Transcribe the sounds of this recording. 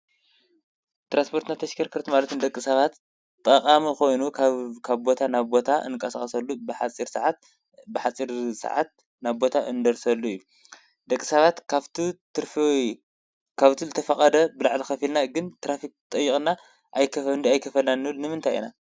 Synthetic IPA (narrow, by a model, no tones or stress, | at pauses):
t̪ɾanspʰo̞ɾt̪nat̪ʰɐʃkʰɐɾkʰɨɾt̪malɐt̪ʰɨnd̪ɐkʼːisɐβat̪ | t̪ʼːɐqʼamixo̞jnukʰkʰaβbo̞t̪ʰanaβbo̞t̪ʰaʔɨ̰nkʼɐsaχʼɐsɐlːubħat͡sʼiɾsʕat̪ | bɨħat͡sʼiɾsɨ̰ʕa̰t̪̚ | naβbo̞t̪ʰaʔɨnd̪ɐɾsɐlːuɨjːu | d̪ɐkʼːisɐβat̪ʰaβt̪it̪ɾf | kʰaβt̪ʰizɨt̪ʰɐfɐχʼɐd̪ɐbɨlaʕlixɐfilnaɡɨnt̪ʰɾafik̚t̪ʼɐjːiχʼna | ʔajkʰɐfɐnajkʰɐfɐlnanːɨβɨlnɨmɨnt̪ʰajḭna